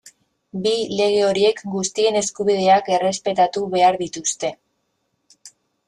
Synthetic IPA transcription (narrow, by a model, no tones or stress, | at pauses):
bile̞ɣ̞e̞o̞ɾie̞kɡust̪ie̞ne̞skuβið̞e̞ake̞re̞spe̞t̪at̪uβe̞aɾðit̪ust̪e̞